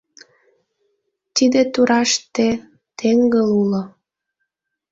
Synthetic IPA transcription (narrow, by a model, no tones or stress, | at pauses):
t̪id̪et̪uɾʔɑʃt̪e | t̪ʰeŋɡəlulo